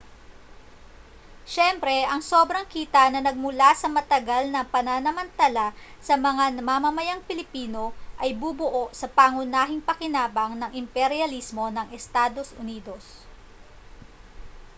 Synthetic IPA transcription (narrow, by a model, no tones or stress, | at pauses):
ʃɛmpɾɛʔɐŋso̞ːbɾɐŋkiːt̪ɐnɐnɐɡ̚mʊlasɐmɐt̪ɐɡalnɐpɐnanɐmɐnt̪ala | sɐmɐŋamɐmɐmɐjaŋpɪlɪpiːno̞ʔɐjbubʊʔo̞ʔsɐpaŋʊnaːɦɪŋpɐkɪnaːbɐŋnɐŋʔɪmpɛɾjɐlismo̞nɐŋɛst̪aːd̪o̞sʔʊ̰niːd̪o̞s